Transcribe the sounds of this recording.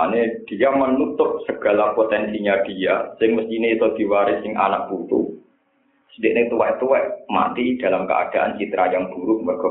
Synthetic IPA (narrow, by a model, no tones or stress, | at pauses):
aned̥ijamənut̪ʊk̚səɡ̥a̤lapot̪ɛnsiɲad̥iasɪŋməst̪ineit̪ɔd̪̥i̤waɾɪsɪŋʔa̰naʔ̚b̥ut̪ṵ | sədɪʔnet̪uwɛʔt̪uwɛʔma̰t̪id̥a̤lamkə̰a̰d̥aʔa̰nt͡ʃit̪ɾajaŋb̥uɾʊʔ̚mərɡ̥ɔ